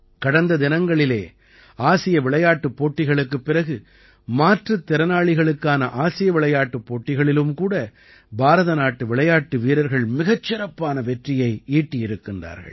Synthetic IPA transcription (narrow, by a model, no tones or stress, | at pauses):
kɐɽɐnd̪ɐd̪ɪnɐŋɡɐɭɪlḛː | aːsɪjɐʋɪɭɐjaːʈːɯpːoːʈːɪɣɐɭɯkːɯpːɪɾɐɣɯ | maːʈrɐt̪ːɪɾɐnaːɭɪɣɐɭɯkːaːnɐʔaːsɪjɐʋɪɭɐjaːʈːɯpːoːʈːɪɣɐɭɪlɯmkuːɽɐ | bʱaːɾɐðɐnaːʈːɯʋɪɭɐjaːʈːɯʋiːɾɐɾɣɐɭmɪɣɐt͡ʃːɪɾɐpːaːnɐʋɛʈrɪjɐɪiːʈːɪjɪɾɯkːɪndra̰ːɾɣɐ̰ɭ